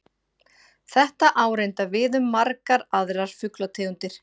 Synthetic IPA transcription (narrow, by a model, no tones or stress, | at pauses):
θɛht̪aʔaːwɾejnt̪avɪðʏmːaɾkaɾaðɾaɾ̥fʏklat̪ʰeːunt̪ɪɾ̥